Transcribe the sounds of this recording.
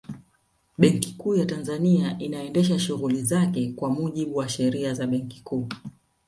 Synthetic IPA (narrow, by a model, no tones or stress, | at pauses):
ɓɛŋkikuːjatanzaniaʔinaɛndɛʃ̬aʃuɣulizakɛkwamuʄiɓuwaʃɛɾiazaɓɛŋki̥kuː